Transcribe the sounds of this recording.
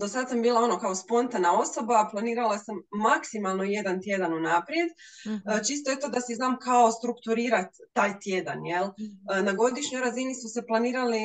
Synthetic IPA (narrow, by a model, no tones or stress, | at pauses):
d̪o̞sad̪sambiːlˠao̞no̞kao̞spo̞nt̪anao̞so̞baplˠaniːɾalˠasamːaksimalˠno̞je̞d̪ant̪je̞d̪anunapɾje̞d̪ | t͡ʃist̪o̞e̞t̪o̞d̪asiznaːmkao̞st̪ɾukt̪uɾiːɾat̪ːaːjt̪je̞d̪anje̞lˠnaɡo̞d̪iʃɲo̞jɾazinismuse̞plˠaniːɾali